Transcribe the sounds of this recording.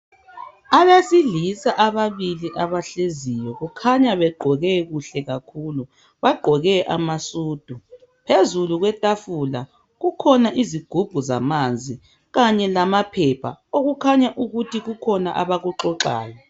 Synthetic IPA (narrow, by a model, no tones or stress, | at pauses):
aβesiɮisaʔaβaβiliʔaβaɬezijɔɣukʰaɲaβɛɡ͡ǃʱɔɣɛɣuɬɛɣakʰuːlu | βaɡ͡ǃʱɔɣɛʔa̰masuːd̥ʱu | pʰezuluɣwɛtʼafula | ɣukʰɔnaʔiziɡ̥ʱub̥ʱuza̰mand͡zʱi | ɣaɲɛlamapʰɛpʰa̰oɣukʰaɲaʔuɣutʰiɣukʰɔnaʔaβaɣuǁɔǁa̰ːla